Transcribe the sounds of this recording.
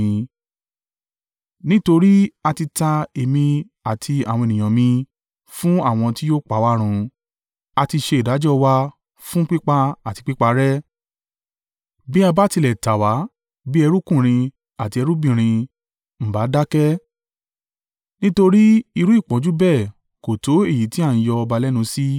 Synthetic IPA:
nĩ˦to˧ɾi˦a˧ti˧ta˧e˨mĩ˧ | a˨tʰi˧a̰˨w̃ɔ̃˧e˨nĩ˨ã˨mĩ˧ | fũ˦a˦˨w̃ɔ̃˧ti˦jo˦k͡pa˨˦˨wa˦ɾ̃ũ˧ | a˧ti˧ʃe˧i˨da˨˦d͡ʒɔ˦wa˧ | fũ˦k͡pi˦k͡pa˧a˦˨ti˧k͡pi˦k͡pa˧ɾɛ˦ | bi˦a˧ba˦ti˧lɛ˨ta˨wa˨˦ | bi˦ɛ˧ɾu˦kũ˦˨ɾ̃ĩ˧ | a˨ti˧ɛ˧ɾu˦bĩ˦˨ɾ̃ĩ˧ | m̩˨ba˨˦da˦kɛ˦ | nĩ˦to˧ɾi˦i˧ɾũ˨˦i˦˨k͡pɔ̃˨˦d͡ʒu˦bɛ˦˨ | ko˨to˨˦e˦˨ji˨˦ti˦a˦˨ñ̩˨˦jɔ˧ɔ˧ba˧lɛ˦nũ˧˦si˦

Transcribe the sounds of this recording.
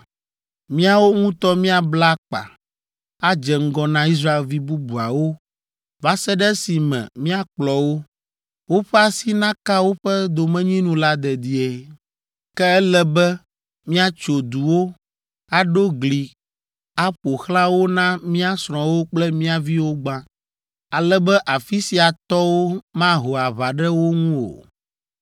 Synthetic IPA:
mĩ˦a˨wo˦ŋũ˦t̪ɔ˦mĩ˦a˨bla˦k͡pa̰˨ | a˦d͡ʒɛ˨ŋ̩˦ɡɔ˦nã˦i˦s̬ɾa˦e˨lvi˦bu˦bu˨a˨wo˦ | va˦sɛ˦ɖɛ˦si˨mɛ̰̃˨mĩ˦a˨k͡plɔ˨wo˦ | wo˦ɸɛ˦a˨si˦nã˦ka˦wo˦ɸɛ˦d̪o˨mɛ̃˦ɲĩ˦nũ˦la˦d̪ɛ˨d̪i˨˦ɛ˨ | kɛ˦ɛ˦lɛ˦bɛ˦ | mĩ˦a˨t͡ʃo˨d̪u˨wo˦ | a˨ɖo˦ɡli˨ | a˦ɸo˨xlã˦wo˦nã˦mĩ˦a˦sɾ̃ɔ̃˨wo˦k͡plɛ˦mĩ˦a˨vi˦wo˦ɡ͡bã˦ | a˨lɛ˦bɛ˦ʔa˨fi˦si˨a˨t̪ɔ˦wo˦mã˦ɦo˨a˨βa˨ɖɛ˦wo˦ŋũ˦o̰˨

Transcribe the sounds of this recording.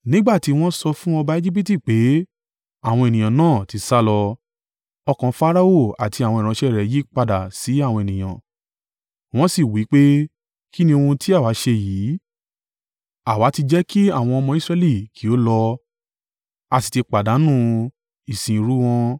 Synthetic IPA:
nĩ˦ɡ͡ba˦˨ti˨˦w̃ɔ̃˦sɔ˧fũ˦ɔ̃˧ba˦e˦d͡ʒi˦p̬i˦ti˦˨k͡pe˨˦ | a˦˨w̃ɔ̃˧e˨nĩ˨j̃ã˨nãː˦˨ti˨˧sa˦lɔ˧ | ɔ˧kã˧fa˦ɾa˦o˦˨a˨tʰi˧a˨w̃ɔ̃˧˨ɾ̃ã˧ʃɛ˦˨ɾɛ˨˦ji˨˦k͡pa˧da˨si˨˦a˦˨w̃ɔ̃˧e˨nĩ˨j̃ã̰˨ | w̃ɔ̃˦si˦˨wi˨˦k͡pe˦ | ki˦nĩ˧o˧ũ˧ti˦a˦˨wa˨˦ʃe˧jiː˨˦ | a˨wa˨˦ti˧d͡ʒɛ˦ki˦a˦˨w̃ɔ̃˧ɔ˧mɔ̃˧i˦sɾɛ˧˦li˦˨kʰi˨˦o˨˦lɔ˧ | a˧ti̥˨˧ti˧k͡pa˨da˨˦nũ˦˧ | i˨sĩ˨˦ɾu˦w̃ɔ̃˧

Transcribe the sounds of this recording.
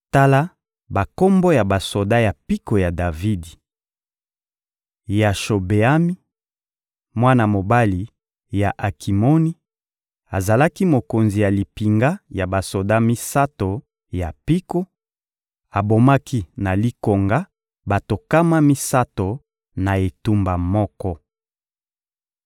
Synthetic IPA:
ta˦la˦ | ba˨ko˦mbo˦ja˨ba˨so˨da˦ja˨pi˦ko˨ja˨da˨vi˦di˨ | ja˨ʃo˨be˨a˦mi˦ | mwa˦na˨mo˨ba˦li˨ | ja˨ʔa˨kʰi˨mo˦ni˦ | a˨za˨la˦ki˦mo˨ko˨nzi˨ja˨li˨pi˨ŋɡa˦ja˨ba˨so˨da˦mi˦sa˦to˨ | ja˨pi˦ko˦ | a˨bo˨ma˦kʰi˦na˨li˦ko˨ŋɡa˦ | ba˨to˨ka˦ma˦mi˦sa˦to˨ | na˨e˨tu˦mba˨mɔ˦kɔ˦

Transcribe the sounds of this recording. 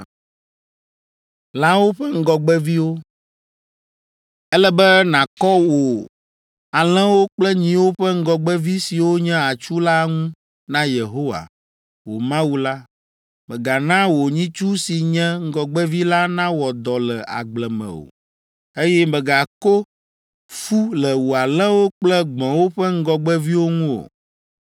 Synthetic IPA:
la˦wo˦ɸɛ˦ŋ̩˦ɡɔ˨ɡ͡bɛ˦vi˦wo˦ | ɛ˦lɛ˦bɛ˦nã˨kɔ˦wo˨ | a˨l̃ɛ̃˦wo˦k͡plɛ˦ɲĩ˦wo˦ɸɛ˦ŋ̩˦ɡɔ˨ɡ͡bɛ˦vi˦si˨wo˦ɲɛ̃˦a˨t͡ʃu˦la˦ŋũ˦ | nã˦je˨ɦo˦wa̰˨ | wo˨mã˦wu˦la˦ | mɛ̃˨ɡa˨nã˦wo˨ɲĩ˦t͡ʃu˦si˨ɲɛ̃˦ŋ̩˦ɡɔ˨ɡ͡bɛ˦vi˦la˦nã˦wɔ˨d̪ɔ˨lɛ˨ʔa̰˨ɡ͡blɛ˨mɛ̰̃˨o̰˨ | e˦jɛ˦mɛ̃˨ɡa˨ko˦ | fu˦lɛ˨wu˨a˨lɛ̃˦wo˦k͡plɛ˦ɡ͡bɔ̃˨wo˦ɸɛ˦ŋ̩˦ɡɔ˨ɡ͡bɛ˦vi˦wo˦ŋũ˦o̰˨

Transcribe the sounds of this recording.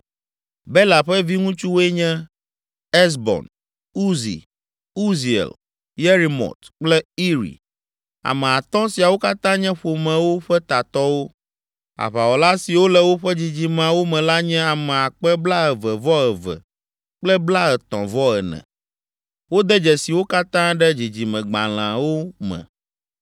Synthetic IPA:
bɛ˦la˨ɸɛ˦vi˦ŋũ˦t͡ʃu˦wɛ˦ɲɛ̃˦ | ɛ˦s̬bɔ̰˨n | u˦zḭ˨ | u˦zi˨ḛ˨l | je˦ɾi˨mɔ̰˨t̪k͡plɛ˦i˦ɾḭ˨ | a̰˨mɛ̃˨a˨t̪ɔ̃˦si˨a˨wo˦ka˦t̪ã˦ɲɛ̃˦ɸo˨mɛ̃˨wo˦ɸɛ˦t̪a˨t̪ɔ˦wo˦ | a̰˨βa˨wɔ˨la˦si˨wo˦lɛ˨wo˦ɸɛ˦d͡ʑi˨d͡ʑi˨mã˨wo˦mɛ̃˨la˦ɲɛ̃˦a˨mɛ̃˨a˨k͡pɛ˦bla˦ɛ˨vɛ˨vɔ˦ɛ˨vɛ̰˨ | k͡plɛ˦bla˦ɛ˨t̪ɔ̰̃˨vɔ˦ɛ˨nɛ̰̃˨ | wo˦d̪ɛ˦d͡ʒɛ˨si˨wo˦ka˦t̪ã˦ɖɛ˦d͡ʑi˨d͡ʑi˨mɛ̃˨ɡ͡ba˨l̃ã˨wo˦mɛ̰̃˨

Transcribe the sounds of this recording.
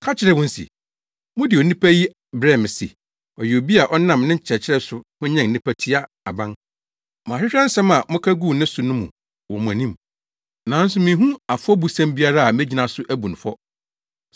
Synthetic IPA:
kʰa˦t͡ɕʰɪ˨ɾɛ˨wɔ̃˦n̩˦sḭ˨ | mʊ̃˦dɪ˨ɔ˨nĩ˦pʰæ˦ji˦ | bɾɛ˦˨m˨sḭ˨ | ɔ˨jɪ˨o˨bi˦a˨ʔɔ˦nã˦˨mnɪ̃˦ɲ˦t͡ɕʰɛ˨t͡ɕʰɪ˦ɾɛ˦sʊ˨hʊ̃˦ɲɛ̃˨n̩˨nĩ˦pʰæ˦tʰi˦a˦ | a˨bã˦n | mãː˨ɕᶣɪ˦ɕᶣɾɛ̃˦n̩˦sɛ̃˦mã˨mʊ̃˦kʰæ˦ɡuː˦˨nɪ̃˦sʊ˨nʊ̃˦mṵ̃˨ | wɔ̃˨mʊ̃˨æ˨nĩ˦m | nã˨˦n̩˦sʊ˦mĩ˨˦ɦũ˦a˨fʊ˦ɔ˦bu˨sæ̃˦mbi˦a˦ɾa˦a˨mɛ̃˦d͡ʑi˨nã˨sʊ˦ʔæ˦bu˨n̩˨fɔ˦

